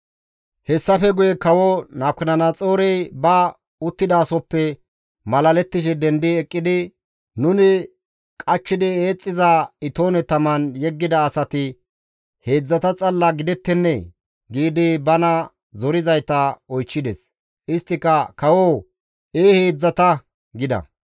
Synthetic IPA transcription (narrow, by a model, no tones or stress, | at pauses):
hɛsːɐfɛɡʊjɛkɐwɔnaːkːɪnɐnɐt͡sʼo̞ːɾɛjbɐ | ʊt̪ːɪd̪aːsɔpːɛ | mɐlɐlɛt̪ːɪʃ̬ɛd̪ɛnd̪ɪɛkʼːɪd̪ɪ | nʊnɪ | kʼɐt͡ʃːɪd̪ɪe̞ːt͡sʼːɪzaɪt̪o̞ːnɛt̪ɐmɐnjɛɡːɪd̪ɐːsɐt̪ɪ | he̞ːd͡zːɐt̪ɐt͡sʼɐlːɐɡɪd̪ɛt̪ːɛnːɛ | ɡiːd̪ɪbɐnɐ | zɔɾɪzɐjt̪ɐɔjt͡ʃːɪd̪ɛs | ʔɪst̪ːɪkːɐkɐwo | ʔeːheːd͡zːɐt̪ɐ | ɡɪd̪ɐ̰